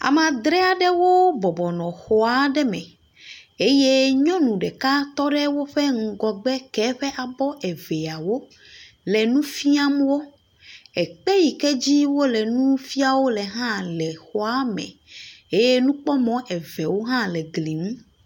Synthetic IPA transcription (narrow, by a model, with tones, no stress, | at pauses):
a̰˨m˨ã˨d̪ɾɛ˦a˨ɖɛ˦wo˦bɔ˨bɔ˨nɔ̃˨xɔ˨a˨ɖɛ˦mɛ̃˨ | e˦je˦ɲɔ̃˦nũ˨ɖɛ˨ka˦t̪ɔ˦ɖɛ˦wo˦ɸɛ˦ŋ̩˨ɡɔ˨ɡ͡bɛ˦kɛ˨˦ɸɛ˦ʔa˨bɔ˦ʔɛ˨vɛ˨a˨wo˦ | lɛ˨nũ˦fi˦a˦m˦wo˦ | ɛ˨k͡pe˦ji˨kɛ˦d͡ʑi˦wo˦lɛ˨nũ˦fi˦a˨wo˦lɛ˨ɦã˦lɛ˨xɔ˨a˦mɛ̰̃˨e˦je˦nũ˦k͡pɔ˦mɔ̃˨ʔɛ˨vɛ˨wo˦ɦã˦lɛ˨ɡli˨mũ˦